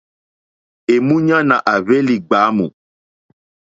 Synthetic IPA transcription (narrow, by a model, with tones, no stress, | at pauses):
e˨mũ˦ɲã˦nã˨ʔa˨ve˦li˨ɡ͡ba˨˦mṵ̃˨